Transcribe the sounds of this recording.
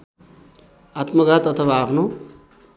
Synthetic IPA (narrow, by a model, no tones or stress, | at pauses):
at̪mʌɡat̪ʌt̪ʰʌwaːpʰno